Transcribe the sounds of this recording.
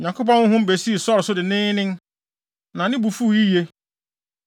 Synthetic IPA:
ɲã˨kʰo˦p̬ã˦nʊ̃˦ɦʊ̃˦m˦be˨si˦˨sɔ˦ɾsʊ˦dɪ˨nɪ̃ː˦nɪ̃˦n | nã˨nɪ̃˦bu˨fu˦˨ji˦je˦

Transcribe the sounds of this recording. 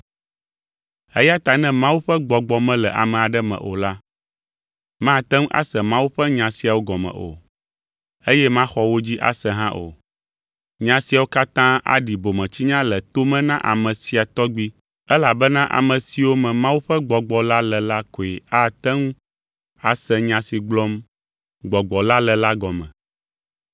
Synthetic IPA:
ɛ̰˦ja˦t̪a˨nɛ̃˦mã˦wu˦ɸɛ˦ɡ͡bɔ˨ɡ͡bɔ˨mɛ̃˦lɛ˨ʔa̰˨mɛ̃˨a˨ɖɛ˦mɛ̰̃˨ʔo̰˨la˦ | mã˦˨t̪ɛ˦ŋũ˦ʔa̰˦sɛ˨mã˦wu˦ɸɛ˦ɲã˨si˨a˨wo˦ɡɔ˨mɛ̰̃˨ʔo̰˨ | e˦jɛ˦mã˦xɔ˨wo˦d͡ʑi˦ʔa̰˦sɛ˨ɦã˦ʔo̰˨ | ɲã˨si˨a˨wo˦ka˦t̪ã˦a̰˦ɖi˨bo˨mɛ̃˨t͡ɕi˦ɲã˦lɛ˨t̪o˦mɛ̃˦nã˦ʔa̰˨mɛ̃˨si˨a˨t̪ɔ˦ɡ͡bi˦ | ɛ˦la˨bɛ˦nã˦ʔa̰˨mɛ̃˨si˨wo˦mɛ̃˨mã˦wu˦ɸɛ˦ɡ͡bɔ˨ɡ͡bɔ˨la˦lɛ˨la˦ko˨i˨a˦t̪ɛ˦ŋũ˦ | a˨sɛ˨ɲã˨si˨ɡ͡blɔ˦m | ɡ͡bɔ˨ɡ͡bɔ˨la˦lɛ˨la˦ɡɔ˨mɛ̰̃˨

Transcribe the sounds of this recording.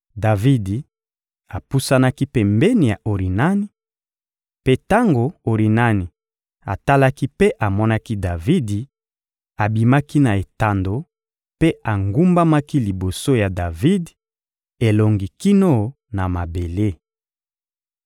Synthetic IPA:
da˨vi˦di˨ | a˨pu˦sa˦na˦ki˦pe˨mbɛ˦ni˨ja̰˨ʔo˨ʁi˨na˦ni˨ | pe˦ta˦ŋɡo˨o˨ʁi˨na˦ni˨ | a̰˨ta˦la˦ki˦pe˦ʔa˨mɔ˦na˦ki˦da˨vi˦di˨ | a˨bi˨ma˦ki˦na˨e˨ta˨ndo˨ | pe˦a˨ŋɡu˦mba˦ma˦ki˦li˨bo˨so˦ja˨da˨vi˦d | e˨lo˨ŋɡi˨ki˦no˦ | na˨ma˨be˨le˦

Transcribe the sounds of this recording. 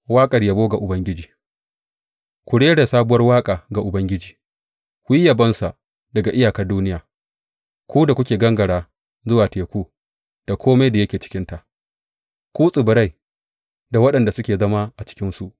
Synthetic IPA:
waː˦kʼɐ˨rja˨boː˦ɡa˨ʔʊ˨bɐ˦ŋɡʲɪ˦d͡ʒiː˨ | kʷʊ˨ɽeː˦da˨saː˦bʊ˦wɐ˦rwaː˦kʼaː˨ɡa˨ʔʊ˨bɐ˦ŋɡʲɪ˦d͡ʒiː˨ | kʷʊ˦ji˦ja˨bɐ˦nsa˨ | dɐ˨ɡa˨ʔɪ˦jaː˨kɐ˦rduː˦nɪ˦jaː˨ | kʷuː˦da˨kʷʊ˦kʲeː˨ɡɐ˦ŋɡɐ˨ɽaː˨ | zʊ˦waː˨teː˨kʷuː˦ | d̥a˨kʰʷoː˦ma˦jda˨jɐ˦kʲeː˨t͡ʃɪ̥˦kʲɪ˦nta˨ʔ | kʷuː˦sʼɪ˨bʊ˨ɾa˦j | da˨wɐ˦ɗɐ˨nda˨sʊ˦kʲeː˨zɐ˦ma˦ʔa˨t͡ʃɪ̥˦kʲɪ˦nsu˨ʔ

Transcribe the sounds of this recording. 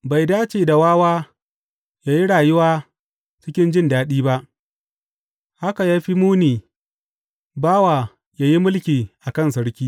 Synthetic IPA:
ba˨jdaː˦t͡ʃeː˨da˨waː˦waː˦ | jaː˦ji˦ɽaː˨jʊ˦waː˦ | t͡ʃɪ˦kʲɪ˦nd͡ʒɪ˦ndaː˦ɗiː˦ba˦ʔ | ha˦ka˨jaː˦ɸi˦muː˦niː˨ | baː˦waː˨ | jaː˦ji˦mʊ˦lkʲiː˨ʔa˨kɐ˦˨nsɐ˦ɽkʲiː˦

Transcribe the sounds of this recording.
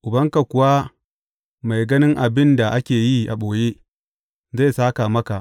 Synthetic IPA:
ʔʊ˨bɐ˦ŋka˨kʷʊ˨wa˦ | ma˨jɡɐ˦nɪ˦ŋʔa˨bɪ˦nda˨ʔa˦kʲeː˨ji˦ʔa̰˨ɓoː˨je˦ | za˦˨jsaː˦ka˨mɐ˦ka˨ʔ

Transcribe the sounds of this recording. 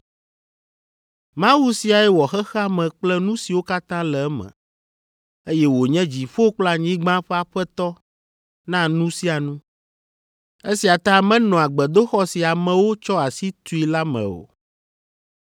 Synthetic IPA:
mã˦wu˦si˦a˨ɛ˦wɔ˨xɛ˦xɛ˦a˦mɛ̃˨k͡plɛ˦nũ˦si˨wo˦ka˦t̪ã˦lɛ˨ɛ˦mɛ̰̃˨ | e˦jɛ˦wo˨ɲɛ̃˦d͡ʑi˨ɸo˦k͡pla˨ɲĩ˦ɡ͡bã˦ɸɛ˦a˨ɸɛ˦t̪ɔ˦ | nã˦nũ˦si˦a˨nũ˦ | e˦si˨a˨t̪ã˦mɛ̃˦nɔ̃˨a˨ɡ͡bɛ˨d̪o˦xɔ˦si˨a˨mɛ̃˨wo˦t͡ʃɔ˦a˨si˦t̪u˦i˦la˦mɛ̰̃˨o̰˨

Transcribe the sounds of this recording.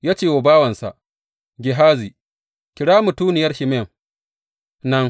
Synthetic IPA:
jaː˦t͡ʃeː˦˨wo˨baː˦wɐ˨nsa̰˨ʔ | ɡʲɪ˨ɦaː˦zi˨ | kʲɪ˨ɽaː˦mu˨tuː˦nɪ˨jɐ˦rʃɪ˨mɛ˦˨ŋ | nɐ˦ŋ

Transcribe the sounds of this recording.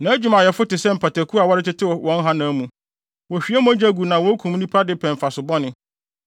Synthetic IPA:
nã˨˦æ˦d͡ʑᶣu˨˦mã˨jɛ˨fʊ˦tɪ˨sɛ˦m̩˨pʰa˨tæ˨kʰu˦a˨wɔ˦ɾɪ˦tɪ˦tʰɪ˦wɔ˨wɔ̃˨˦n˦ɦã˦nãː˨˦mũ˨ | wɔ˨ɕᶣi˨˦ɛ˦m̃˦æ˦d͡ʑæ˦ɡu˨nã˨wɔ˦kʰũ˨m˦nĩ˦pʰa˦dɪ˦pʰɛ̃˨m˨fa˨sʊ˨bɔ˦nɪ̃˨˦

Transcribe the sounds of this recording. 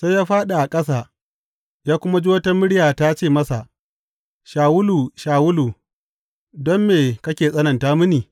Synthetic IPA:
sa˦jaː˦ɸaː˦ɗa˨ʔa˨kʼɐ˦s̬aː˨ | jaː˦kʷʊ˦ma˦d͡ʒi˦wɐ˦tɐ˦mɪ˦ɽɪ˦jaː˨ta˦t͡ʃeː˦˨mɐ˦sa˨ʔ | ʃaː˨wʊ˦lu˨ʃaː˨wʊ˦luː˨ | dɔ˦mːeː˨kɐ˦kʲeː˨sʼɐ˦nɐ˨ntaː˦mʊ˦niː˨

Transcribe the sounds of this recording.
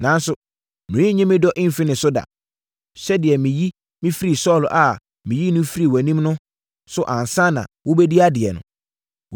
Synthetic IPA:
nã˨˦n˦sʊ˦ | mɪ̃˨ĩ˦ɲɪ̃˦mɪ̃˦dɔ˦ʔɪ̃˦m̩˨fɪ˦nɪ̃˨sʊ˦da̰˨ | sɛ˦dɪ˨ɛ˨mĩ˨ji˦ | mɪ̃˦fi˦ɾi˨sɔ˦˨lʔa˨ | mɪ̃˨ji˦nʊ̃˦fi˦ɾi˨wæ˨nĩ˦mnʊ̃˦ | sʊ˦ʔã˨n˨sã˦nã̰˨wʊ˦bɛ˦di˦a˦dɪ˨ɛ˨nʊ̰̃˨

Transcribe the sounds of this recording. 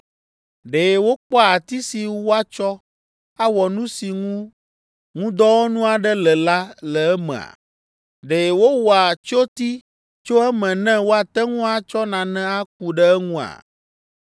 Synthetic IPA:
ɖe˨e˨wo˦k͡pɔ˦a˨t̪i˦si˨wo˦a˦t͡ʃɔ˦ | a˦wɔ˨nũ˦si˨ŋũ˦ | ŋũ˦d̪ɔ˦wo˦nũ˦a˨ɖɛ˦lɛ˨la˦lɛ˨ɛ˦mɛ̰̃˨a̰˨ | ɖe˨e˨wo˦wɔ˨a˨t͡ʃo˦t̪i˦ | t͡ʃo˦ɛ˦mɛ̃˨nɛ̃˦wo˦a˨t̪ɛ˦ŋũ˦a˨t͡ʃɔ˦nã˨nɛ̃˦a˦k̚u˨ɖɛ˦ɛ˦ŋũ˦a̰˨

